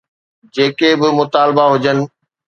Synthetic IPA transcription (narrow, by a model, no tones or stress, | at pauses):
d͡ʑeːkebɪmʊt̪aːlbaɦʊd͡ʑənɪ̆